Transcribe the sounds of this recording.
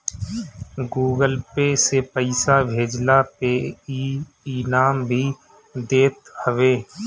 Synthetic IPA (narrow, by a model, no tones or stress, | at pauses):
ɡuːɡəlpeːsepəɪsabʱeːd͡ʒlapeːi | iːnaːmbʱiː | d̪eːt̪həʋeː